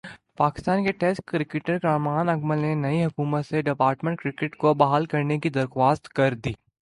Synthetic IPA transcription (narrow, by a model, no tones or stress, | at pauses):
paːkɪ̥st̪aːnkeʈeːskkɾɪkɪʈəɾkɾaːmaːnɐkməlnenɐiɦʊkuːmət̪seɖɪpaːɾʈmə̃ɳʈkɾɪkɪʈkobɐɦaːlkɐɾnekid̪ɐɾxwaːst̪kɐɾd̪iː